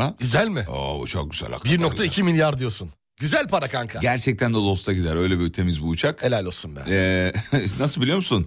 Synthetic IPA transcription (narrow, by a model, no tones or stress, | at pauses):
ayzælʲmɪa̰but͡ʃʰo̰k̚ɟyzæ̰lʲa̰kbiɾnok̚t̪aicʰimilʲjaɾd̪ijosun | ɟyzælʲpʰaɾakʰaŋkʰaɟæɾt͡ʃʰɛc̚t̪ʰænd̪ɛd̪ost̪aɟid̪æɾø̞jlʲɛbiɾt̪ʰe̞mizbujut͡ʃʰakelʲalʲosunbɛ̰ɛ | nasɯlˠbilʲijo̞musun